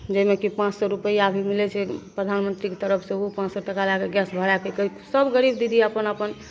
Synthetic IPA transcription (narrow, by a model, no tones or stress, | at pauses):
d͡ʒəimekipãt͡ʃsɔɾupəiabʱimilɛt͡ʃʰɛpɾəd̪ʱanmənt̪ɾiket̪əɾəpʰsẽupãt͡ʃsɔʈəkalakeɡjasbʱəɽakekəisəbɡəɾibd̪id̪ʱieəpənəpən